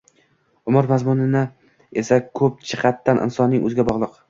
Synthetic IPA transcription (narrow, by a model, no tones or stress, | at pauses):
ʊmɪɾmazmʊnɪnɪ | esakʰɵp̚t͡ʃʰɨ̥qʰɑt̪ʰːanʔɪ̰nsɒnːɪŋʔɵ̰zɡʲabɒʁlˠɨq